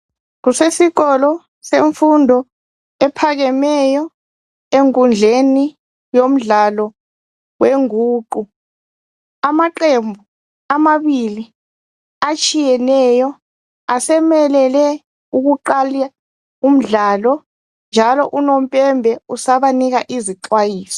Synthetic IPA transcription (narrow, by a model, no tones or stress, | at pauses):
k̬usesiɣɔlɔ | seɱfundʱɔ | ɛpʰaɣ̬ɛmɛjɔ | eŋkʼund͡ɮʱeni | jom̩ɮalɔ | weŋuːǃu | amaǃembʱu | amaβili | at͡ʃʼʰijɛnɛːjɔ | asɛmɛlɛlɛ | uɣuǃalia | um̩ɮaːlɔ | nd͡ʒʱalɔ̰ʔunom̩pʼɛmbʱɛusaβaniɣaʔiziǃwajiːsɔ̥